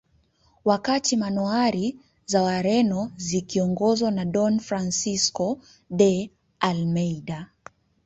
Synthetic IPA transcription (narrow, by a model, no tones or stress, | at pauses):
wakatimanuaɾi | zawaɾɛnɔzikiɔŋɡɔzwanaɗɔnfɾansiskɔ | ɗɛ | almɛjɗa